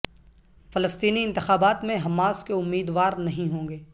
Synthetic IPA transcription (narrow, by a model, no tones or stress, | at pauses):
fɐləst̪iːniɪ̃nt̪ɪxaːbaːt̪mẽɦɐmaːskeʊmːiːd̪ʋaːɾnɐɦĩɦõːŋɡeː